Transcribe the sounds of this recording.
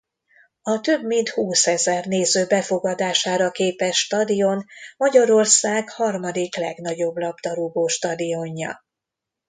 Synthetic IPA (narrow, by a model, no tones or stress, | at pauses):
ɒt̪øbmint̪huːsɛzɛrneːzøːbɛfo̞ɡɒd̪aːʃaːɾɒkeːpɛʃːt̪ɒd̪ijo̞nmɒɟɒɾo̞rsaːɡhɒrmɒd̪iklɛɡnɒɟo̞blɒbt̪ɒɾuɡoːʃt̪ɒd̪ijo̞ɲːɒ̰